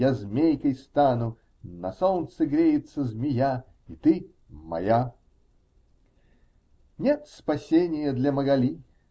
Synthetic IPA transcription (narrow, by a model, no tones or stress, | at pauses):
azmʲejkəjst̪anʊ | nɐsolnt̪sɨɡɾʲejɪt̪səzmʲɪja | it̪ɨ | mɐ̰ja | nʲet̪spɐsʲenʲɪjəd̪lʲɐməɡɐlʲi